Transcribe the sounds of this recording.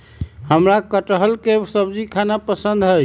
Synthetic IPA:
həmɾakəʈəɦəlkesəbd͡ʒikʰanapəsənd̪ʱɦəj

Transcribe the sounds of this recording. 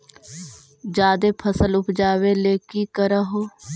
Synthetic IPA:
d͡ʒaːd̪eːpʰəsəlʊpʰd͡ʒaːweleːkikəɾəɦoː

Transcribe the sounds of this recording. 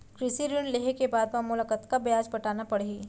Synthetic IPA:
kɾɪsiɾunleːɦekebaːd̪mamʊlakət̪kabɐjaːd͡ʒbɐʈaːnapɐɽeiː

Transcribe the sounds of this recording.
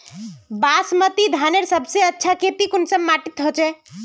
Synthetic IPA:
basmət̪id̪ʱaneɾsəbʱseətːʃʰakep̪ikonsəmːaʈit̪ɦot͡ʃɛ

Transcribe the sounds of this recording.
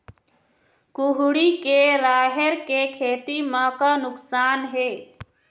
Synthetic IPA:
kʊɦɽikeɾaːɦəɾkekʰeːt̪imãkanʊksaːnɦeː

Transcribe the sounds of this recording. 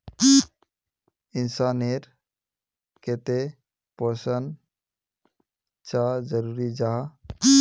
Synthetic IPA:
insaneɾ | ket̪e | pɔsən | t͡ʃad͡ʒəɾuɾid͡ʒaɦ

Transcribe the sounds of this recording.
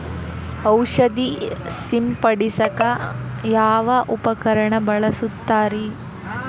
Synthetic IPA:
ɐwʂɐd̪isimpɐɽisɐkɐjaːʋɐʔupɐkɐɾɐɳɐbɐɭɐsut̪ːaːɾi

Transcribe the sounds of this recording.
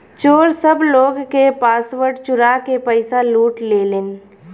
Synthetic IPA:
t͡ʃoːɾsəbloːɡkepaːsʋəɾɖt͡ʃʊɾakepəɪsaluːʈleːleːn

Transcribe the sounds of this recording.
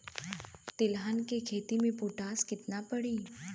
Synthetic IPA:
t̪ɪlɦankekʰet̪imẽpoʈaːskɪt̪napəɽĩː

